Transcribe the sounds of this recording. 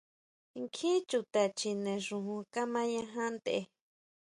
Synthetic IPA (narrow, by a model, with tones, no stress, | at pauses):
ŋkʰĩ˦t͡ʃu˧t̪a˨t͡ʃi˧nẽ˨ʐũ˧ɦũ˧ka˦mã˦ɲã˧ɦã˦nd̪e˨ʔe˧